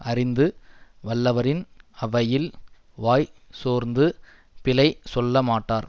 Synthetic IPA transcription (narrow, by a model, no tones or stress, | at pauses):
ʔɐɾɪnd̪ɯʋɐlːɐʋɐɾɪnɐʋɐjɪl | ʋaːjsoːɾnd̪ɯ | pɪlɐɪsɔlːɐmaːʈːaːɾ